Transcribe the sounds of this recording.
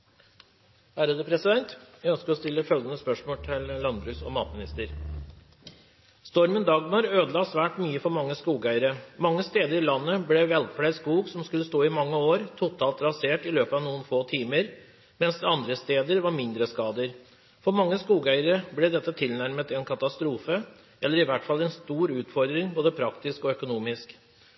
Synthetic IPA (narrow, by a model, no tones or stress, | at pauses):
æːɾəd̪øːpʰɾɛsɪd̪ɛnt̪jæɡœnskəɾɔst̪ɪlːəfœlɡənəspœʂmoːlʈ̪ʰɪllɑnbɾʉːsɔ̰mɑ̰ːt̪mɪnɪst̪əɾ | st̪ɔɾmənd̪ɑɡmɑɾøːd̪əlɑːsʋæːʈmyːəfɔɾmɑŋːəskuːɡæɪəɾəmɑŋːəst̪eːd̪əɾɪlɑnːəblɛʋɛlpʰɽæɪskuːɡsɔmskʉlːəst̪oːɪmɑŋːəoːɾt̪ʰʊt̪ʰɑːlt̪ɾɑseːʈɪløːpəɑʋnuːənfoːt̪ʰiːməɾ | mɛnsd̪ɛɑnd̪ɾəst̪eːd̪əɾʋɑɾmɪnd̪ɾəskɑːd̪əɾ | fɔɾmɑŋːəskuːɡœʏəɾəblɛd̪ɛt̪ːət̪ʰɪlnæɾmət̪ɪɛnkʰɑt̪ɑst̪ɾuːfə | ɛlːəɾɪʋæʈfɑlːɛnst̪uːɾʉːt̪fɔɾd̪ɾɪŋboːd̪əpʰɾɑkt̪ɪskɔœkʊnuːmɪsk